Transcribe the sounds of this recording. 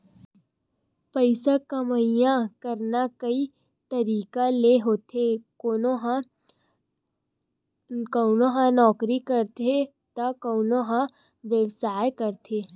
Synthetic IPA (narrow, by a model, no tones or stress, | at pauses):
pəɪsakɐməjãkɐɾnakɐi | t̪ɐɾiːkaleɦoːt̪ʰekoːnoɦ | koːnoɦãnɔːkɾikɐɾt̪e | t̪akoːnoɦã | ʋjəʋsaːjkɐɾt̪ʰeː